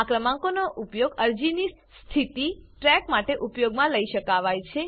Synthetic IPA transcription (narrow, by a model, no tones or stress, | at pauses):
akɾəmãŋkonoʔupjoɡəɾd͡ʒini | st̪ʰit̪iʈɾɛkmaʈeʔupjoɡmãləiʃəkaʋajt͡ʃʰe